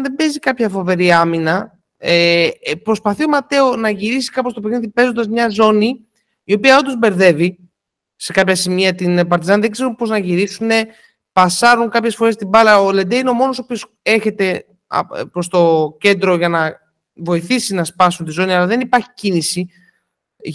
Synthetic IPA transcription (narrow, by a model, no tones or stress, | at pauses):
nðe̞be̞zikɐpçɐfo̞ve̞ɾiɐminɐ | epɾo̞spɐθio̞mɐt̪e̞onɐʝiɾisi̥kɐpo̞st̪o̞peɣniðipe̞zond̪ɐzmɲɐzo̞niː | o̞piɐo̞nd̪ozbe̞ɾðe̞vi | se̞kɐpçɐsimiɐt̪inpɐɾt̪izɐnðe̞ɡze̞ɾunpo̞znɐʝiɾisune̞ | pɐsɐɾuŋkɐpçe̞sfoɾest̪ibɐlɐoled̪eineo̞mo̞no̞sopio̞s | e̞çe̞t̪e̞̰ | pɾo̞st̪o̞ce̞nd̪ɾo̞ʝɐnɐ | vo̞iθisinɐspɐsunt̪izo̞niɐlɐðe̞nipɐɾçi̥cinisi